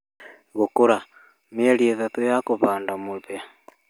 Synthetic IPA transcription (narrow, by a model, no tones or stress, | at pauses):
ɣukuɾa | mielieðatejakuβaːndamuβja